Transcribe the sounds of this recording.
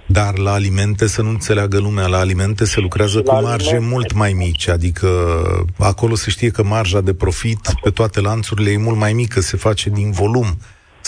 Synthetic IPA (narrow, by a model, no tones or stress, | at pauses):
d̪arlaːlime̞nt̪e̞sənuɨnt̪se̞leaɡəlumealaːlime̞nt̪e̞se̞lukɾeazəkumarʒe̞mult̪majmit͡ʃʲad̪ikʰə | ako̞lo̞se̞ʃt̪ije̞kəmarʒad̪e̞pɾo̞fit̪pe̞t̪oat̪e̞lant̪suɾile̞jemult̪majmikəse̞fat͡ʃe̞d̪invo̞lum